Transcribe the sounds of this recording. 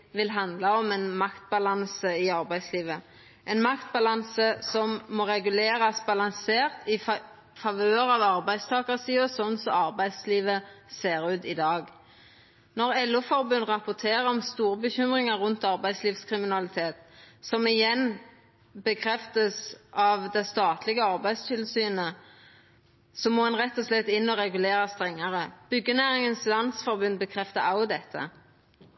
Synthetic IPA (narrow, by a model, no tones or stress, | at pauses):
ʋɪlɦɑnd̪lɑɔmɛnmɑkt̪̚bɑlɑnsəɪɑɾbæɪd̪sliːʋə | ʔɛnmɑkt̪̚bɑlɑnsəsɔmːoːɾɛɡʉleːɾɑsbɑlɑnseːʁt̪ɪ | fɑʋøːəɾɑːʋɑʁbæɪst̪ʰɑːkəsiːəsɔnsɔɑʁbæɪd̪sliːʋəseːɾʉːt̪ɪd̪ɑːɡ | nɔʁɛlːʉfɔɾbʉnʁɑpʊt̪ʰeːʁəɾɔmst̪uːʁəbəçʏmʁɪŋɑɾʁʉnt̪ɑʁbæɪd̪sliːfskʰʁɪmɪnɑlɪt̪ʰeːt̪sɔmɪjɛnː | bəkʰɾɛft̪əsʔɑʋd̪ɛst̪ɑːt̪ʰlɪɡəɑʁbæɪst̪ʰɪlsyːnə | sɔmoːɑnʁɛt̪ːɔslɛt̪ːɪnːɔʁɛɡʉleːɾɑst̪ʁɛŋːəʁəb̥ʏɡːənæːɾɪŋənslɑnsfɔɾbʉnbəkʰʁɛft̪əɾaʊd̪ɛt̪ʰːə̰